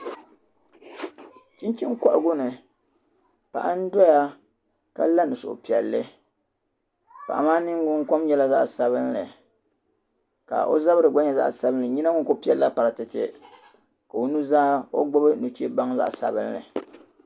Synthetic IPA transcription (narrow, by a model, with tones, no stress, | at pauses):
t͡ʃi˦nt͡ʃi˦ŋ˦ka˦ʔɡʊ˦nɨ˨ | pa̰˨ʔa˦n̩˦dɔ˦ja˦ | ka̰˦la˦nɨ˨sʊ˨ʔʊ̰˨pi˨ɛ˨lːɨ˦ | pa̰˨ʔa̰˨maː˦nɨ˦ŋɡʊ˦ŋ˦ko˦mɲɛ˦la˦za˦ʔsa˨βɨ˦nlɨ˨ | ka̰˨ʔo̰˦za˦βɨ˦ɾɨ˨ɡ͡ba˦ɲa˨za̰˦ʔsa˦bɨ˦nlɨ˨ɲi˦na˦ŋʊ˦ŋ˦ko˦pi˦ɛ˨lːa˦pa˨ɾɨ˨tɨ˨tɪ̰˦ | ka˨o˨nu˦zaː˦o̰˦ɡ͡bʊ˦bɨ˦nu˨t͡ʃe˦ba˦ŋza̰˦ʔsa̰˨bɨ˦n˦lɨ̰˨